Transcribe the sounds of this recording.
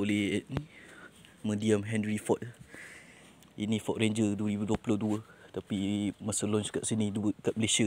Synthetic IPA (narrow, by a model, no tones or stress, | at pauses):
oleɛt̚ni | mə̃diamɦɛ̃nrifɔt̪̚ | inĩfɔʔ̚reɲd͡ʒəduəɾibuduəpulɔduət̪apimasəlɔnskaʔsinĩduəkaʔməlesə